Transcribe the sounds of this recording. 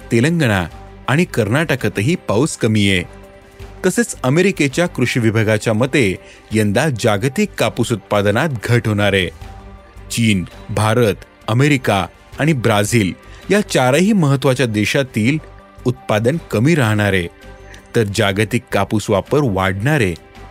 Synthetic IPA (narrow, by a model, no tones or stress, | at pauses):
t̪elə̃ŋɡəɽ̃aː | ɽ̃ikəɾnaʈəkət̪əɦiːpauskəmije | t̪əset͡səmeɾiket͡ɕjakɾuɕiʋibʱəɡʱat͡ɕjamət̪ːe | jənd̪ad͡ʑaɡt̪ikːapusut̪̚pad̪nat̪ɡʱəʈɦoɽ̃aɾe | t͡ɕiːnbʱaɾət̪ | əmeɾika | aɽ̃ibɾad͡ziːljat͡ɕaɾaɦiːməɦət̪ːʋat͡ɕjad̪eɕat̪iːl | ut̪̚pad̪ənkəmiːɾaɦɳ̃aɾet̪əɾd͡ʑaɡt̪ikːapusʋapəɾʋaɽɳaɾe